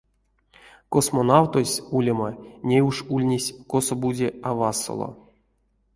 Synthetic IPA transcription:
kosmonawt̪osʲulʲamanʲejuʂulʲnʲesʲkosobud͡zʲeavaso̰lˠo̰

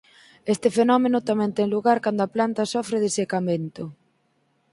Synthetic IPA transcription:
est̪ɪfenɔmenʊt̪amɛ̃nt̪ɛŋluɣaɾkand̪ʊaplant̪asɔfɾɪðɪsekamẽnt̪ʊ

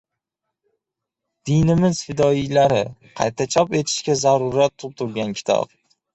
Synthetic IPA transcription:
d̪̥ɪjnɪmɪzfɪd̪ɒijlaɾɪqʰɑ̰jt̪ʰat͡ʃʰɒpe̞t̪ʰɪ̥ʃkʲazaɾʊɾat̪ʰːʊp̚t̪ʰʊɾɡʲankʲʰɪ̥t̪ʰɒ̰p̚

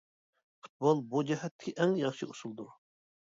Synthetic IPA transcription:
fu̥t̪̚bolˠbud͡ʒɛɦɛt̪ʰːɪ̥kʲʰiʔɛŋjɑχʃiuʃulˠd̪uɾ

